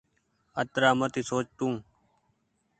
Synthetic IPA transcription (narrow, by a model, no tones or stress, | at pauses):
ət̪ɾaːmət̪iːsoːt͡ʃʈ̪ũː